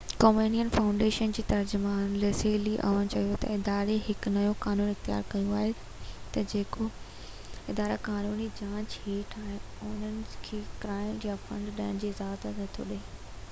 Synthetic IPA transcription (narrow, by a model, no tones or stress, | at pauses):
koːmeːnijənfãːʊ̃ɳɖeːʃənd͡ʑiːt̪ɐɾd͡ʑʊmaːnleseːliʔɐ̰ʋəɽ̃t͡ɕɐijot̪ɐ̰ɪd̪aːɾeɦɪknɐjõkaːnuːnɪxt̪ija̰ːɾkɐjuaːɦe | t̪ɐd͡ʑeːko | ɪd̪aːɾakaːnuːnid͡ʑãːt͡ɕeːʈʰaːɦɪ̃ | ʊnənɪ̆kʰeːkɾaːɪnjafɐ̰̃ɳɖɗaːɪɽ̃̆d͡ʑiːɪzaːt̪ənɐt̪ʰo̰ɗe